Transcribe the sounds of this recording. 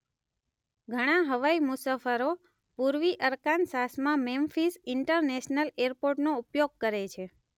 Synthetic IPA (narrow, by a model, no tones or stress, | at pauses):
ɡʱəɽ̃ãɦəʋaimusafəɾo | puɾʋiʔəɾkansasmãmemfisɪɳʈəɾneʃnəleɾpoɾʈnoupjoɡ̚kəɾet͡ʃʰe